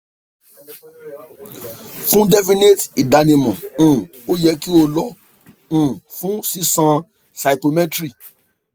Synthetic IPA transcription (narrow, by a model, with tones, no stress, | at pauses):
fũ˦dɛ˦fi˦ne˦ti˨da˨nĩ˧mɔ̃˨ũ˨ | o˦jɛ˧ki˦o˧lɔ˦ | ũ˨fũ˦si˦sã˧ | sa˨i˨po˧mɛ˦tɾi˦˨